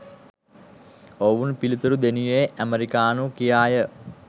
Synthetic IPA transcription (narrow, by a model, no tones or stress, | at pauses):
oʋunpilit̪uɾud̪enujeʔæməɾikaːnukijaːjə